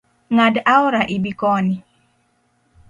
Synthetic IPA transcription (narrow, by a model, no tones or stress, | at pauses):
ŋadaʊɾaʔɪbikɔnɪ